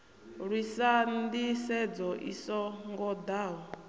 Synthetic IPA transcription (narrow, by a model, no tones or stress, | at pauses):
ɺwisandisɛd͡zɔʔḭsɔŋɡɔd̪aːɦɔ